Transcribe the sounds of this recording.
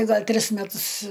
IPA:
ˈɡɐlʲ ˈtʲrʲɪs mʲɛˈtʊs

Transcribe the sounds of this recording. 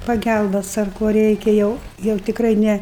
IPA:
pɐˈɡʲælˠbɐs ɐr ˈkoː ˈrʲɛɪkʲɛ jɛʊ jɛʊ tʲɪkˈrɐɪ ˈnʲɛ

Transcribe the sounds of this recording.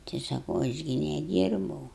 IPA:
tɐɪ sɐˈkɐʊ ɐʃ ˈɡʲɪ nʲɛˈdʲiːrbɐʊ

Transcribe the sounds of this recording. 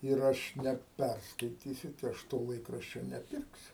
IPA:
ɪr ˈɐʃ nʲɛˈpʲɛrskɐɪtʲiːsʲʊ tɐɪ ˈɐʃ toː ˈlˠɐɪkrɐʃʲt͡ʃʲoː nʲɛˈpʲɪrksʲʊ

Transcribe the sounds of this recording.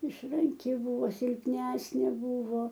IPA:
ɪʃrɐŋʲˈkʲɪ ˈbʊʋoː sʲɪlʲpʲˈnʲæːsʲnʲeː ˈbʊʋoː

